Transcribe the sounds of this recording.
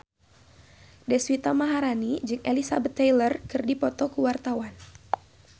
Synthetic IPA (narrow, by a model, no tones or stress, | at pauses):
dɛswit̪amaɦaɾanid͡ʒɨŋʔelisabət̪ːejlərkɨrdipɔt̪ɔkuwart̪awan